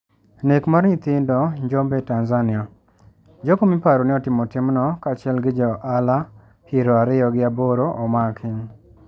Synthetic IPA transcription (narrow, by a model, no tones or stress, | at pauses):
nekmaɾɲɪt̪ɪndɔɲd͡ʒɔmbɛtanzanɪɔ | d͡ʒokomipaɾonɪɔtɪmɔtɪmnɔkat͡ʃɛlɡɪd͡ʒɔʔala | hiɾɔaɾɪjɔɡɪaboɾoʔɔmakʰɪŋ